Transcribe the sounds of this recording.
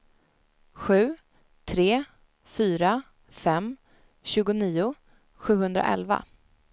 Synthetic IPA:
ɧʉ̟ː | t̪ʰɾeː | fyːɾa | fɛmː | ɕʉ̟ːɡʊniːʊ | ɧʉ̟ːhɵnd̪ɾa̰ʔɛ̰lva̰

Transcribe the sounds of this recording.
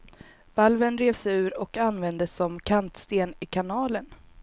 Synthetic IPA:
valvənɾeːvsɛʉ̟ːɾɔkanvɛnd̪əsːɔmkʰant̪st̪eːnɪkʰanɑːlən

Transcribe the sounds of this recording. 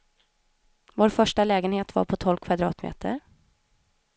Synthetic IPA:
voːɾfœʂʈalɛːɡənheːt̪va̰ɾpʰɔt̪ʰɔlkʰvad̪ɾɑ̰ːt̪mḛːt̪ʰə̰ɾ

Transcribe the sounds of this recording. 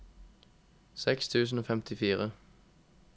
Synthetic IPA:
sɛkst̪ʰʉːs̬n̩oːfɛmt̪ʰɪfiːʁə

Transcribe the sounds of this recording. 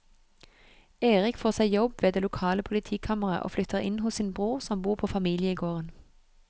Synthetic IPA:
eːʁɪkfoːʁsæɪjɔbʋeːd̪eːlʊkʰɑːləpʰʊlɪt̪ʰiːkʰɑməʁɑ̰ʔo̰ːflʏt̪ʰəʁɪ̰nhʊssiːnbʁuːʁsɔmbuːʁpʰoːfɑmiːlɪəiːɡoːʁən

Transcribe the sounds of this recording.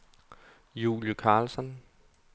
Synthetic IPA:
jṵːljukʰɑ̈ːlsɒ̽n

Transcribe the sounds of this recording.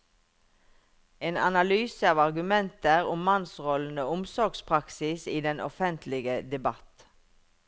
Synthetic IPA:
eːnɑ̰nɑlyːsəɑːʋɑʁɡʉmɛnt̪əʁʊmmɑnsʁɔln̩əʊmsɔʁɡspʰʁɑksɪsiːd̪ɛnʔɔ̰fɛnt̪ʰlɪɡəd̪ɛbɑt̪

